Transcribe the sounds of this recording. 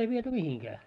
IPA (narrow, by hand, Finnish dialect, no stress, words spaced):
ei ʋiety mihiŋkæː